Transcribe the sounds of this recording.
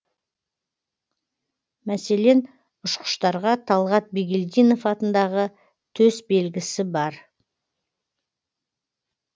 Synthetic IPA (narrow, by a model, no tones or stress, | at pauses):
mæse̞le̞n | ʊʃqə̥ʃt̪ɑɾʁɑt̪ʰɑlˠʁɑt̪̚biɡʲeld̪ijno̞fɑt̪ənd̪ɑʁə | t̪ʰɵzbe̞lɡʲɪsɪbɑɾ